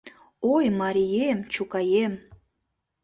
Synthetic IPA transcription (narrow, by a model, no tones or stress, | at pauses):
ojmɑɾʲijemt͡ɕukɑjem